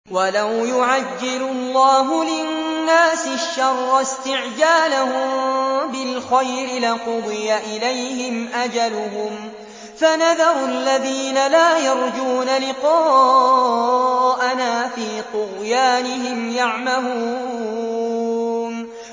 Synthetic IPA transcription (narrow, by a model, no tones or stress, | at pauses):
walawjʊʕad͡ʒːɪlʊlˤːɑːɦʊlɪnnːaːsɪʃːɑrˤːɑst̪ɪʕd͡ʒaːlahʊmbɪlxajɾɪlaqʊd̪ˤɪjaʔɪlajhɪmʔad͡ʒalʊɦʊm | fanaðɑɾˤʊalːaðiːnalaːjɑɾˤd͡ʒuːnalɪqɑː | ʔanaːfiːt̪ʊɣjaːnɪɦɪmjaʕmahuː | n